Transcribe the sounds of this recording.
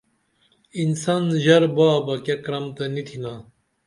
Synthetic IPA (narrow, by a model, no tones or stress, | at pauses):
insɐnʑɐɾbaːbɐkekɾɐmt̪ɐnit̪ʰina